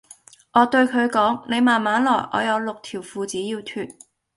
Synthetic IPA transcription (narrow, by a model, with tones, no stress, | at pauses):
ʔɔː˨˧t̪ɵ˧ɥkʰɵ˨˧ɥkɔː˨˥ŋne˨˧jmaː˨˩nmaː˨˥nlɔː˨˩jʔɔ̰ː˨˧jɐ˨˧wlʊ˨k̚t̪ʰiː˨˩wfuː˨˧t͡siː˨˥jiː˧wt̪ʰyː˨t̚